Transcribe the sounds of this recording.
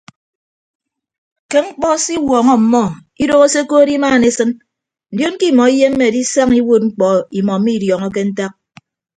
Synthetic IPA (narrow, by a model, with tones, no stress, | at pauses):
ke˦ŋ͡m̩˦k͡pɔ˦si˦wɔː˨ŋɔ˦m̩˨mɔ˦˨ | i˦do˦ɣo˦se˦ko˦ɾi˦maː˦˨ne˨sɨ˦n | n̩˨djo˦n˦ki˦˨mɔ˨i˦je˦m̩˦me˨a˨di˦sa˦ŋi˦wo˦t̚ŋ͡m̩˦k͡pɔ˨i˨mɔ˨m̩˦mi˦˨djɔ˨ŋɔ˦k̬e˦n̩˦ta˦k̚